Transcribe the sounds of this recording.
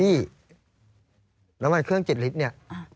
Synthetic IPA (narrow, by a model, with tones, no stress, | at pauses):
iː˥˩ | ɾa˦mwa˧nkʰɯ˥˩əŋt͡ɕe˨˩t̪̚li˦t̪̚ni˥˩ɐ˧